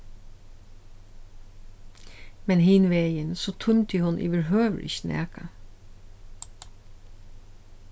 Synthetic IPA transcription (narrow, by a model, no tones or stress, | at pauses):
mɛnɦɪnʋeːjənsoːt̪ʰʊnt̪ɪhʊnʔḭʋɪɹɦøːʋɹɪ̰çnʔɛ̰ːka